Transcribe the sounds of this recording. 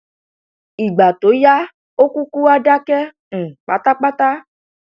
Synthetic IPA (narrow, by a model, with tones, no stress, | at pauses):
i˨ɡ͡ba˨to˨˦ja˦ | o˦ku˦ku˦a˦ɖa˦kɛ˦˨ | k͡pa˦t̪a˦k͡pa˦t̪a˦